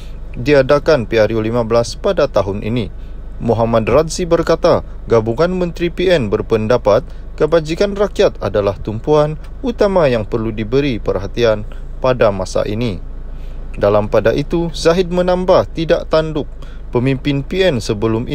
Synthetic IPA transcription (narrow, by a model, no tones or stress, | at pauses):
diadakanpiaɾjulimabəlaspadat̪aɦʊnʔḭnimuɦamadrat̪zibərkat̪a | ɡabuŋanmənt̪ɾipiɛnbərpəndapat̪̚ | kəbad͡ʒikanrakijat̪a̰dalaht̪umpuan | ut̪amajaŋpərludibəɾipərɦat̪ian | padamasa̰ʔini | dalampadaʔit̪uzaɦɪd̚mənambaht̪idaʔt̪andʊk̚ | pəmimpɪnpiɛnsəbəlʊmʔi